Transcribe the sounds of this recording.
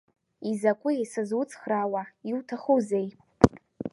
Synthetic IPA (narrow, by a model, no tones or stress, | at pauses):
izakʷʼʊjisazwʊt͡sʰʼχrawaiwtʰaχuzej